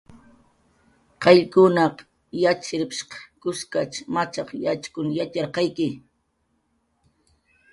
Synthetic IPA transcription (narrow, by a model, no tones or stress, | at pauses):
qɑʎkʊnɑq | jat͡ʃɪɾɪpʃqɑ̥kʊskat͡ʃmat͡ʃɑqjat͡ʃkʊnjat͡ʃɑɾqɑjkɪ